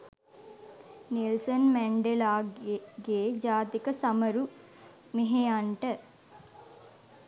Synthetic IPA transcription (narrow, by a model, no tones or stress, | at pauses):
nilsɐnmɛɳɖelaːɡeːd͡ʒaːt̪ikɐsɐmɐɾu | miɦejaɳʈɐ